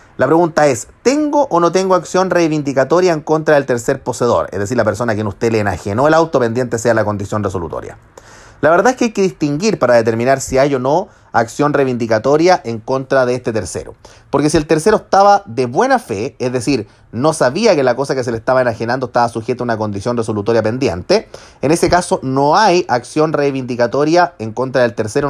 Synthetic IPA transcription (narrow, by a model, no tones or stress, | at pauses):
lapɾeɣunt̪ae̞st̪e̞ŋɡoʔonot̪̬e̞ŋɡoaksjo̞nrejβind̪ikat̪o̞ɾjaeŋko̞nt̪ɾaðelt̪eɾse̞ɾpo̞seðo̞̰ɾḛzðes̬iɾlapeɾso̞nakjenust̪e̞leːna̰xeno̞elawt̪opend̪je̞nt̪esealako̞nd̪isjo̞nresolṵt̪o̰ɾja̰ | laβeɾðaehkeajkeðist̪iŋɡiɾpaɾaðet̪̬e̞ɾminaɾsiajo̞no̞ | aksjo̞nrejβind̪ikat̪o̞ɾjaʔeŋko̞nt̪ɾaðeest̪et̪e̞ɾsḛɾo̰ | poɾkesielt̪eɾseɾoest̪aβaðeβwe̞nafe̞ezðesiɾ | no̞saβiakelako̞sakes̬elest̪aβaenaxenand̪oest̪aβasuxet̪aunako̞nd̪isjo̞nreso̞lut̪o̞ɾjape̞nd̪je̞nt̪eenesekaso̞noajaksjo̞nrejβind̪ikat̪o̞ɾjaeŋko̞nt̪ɾaðelt̪e̞ɾseɾo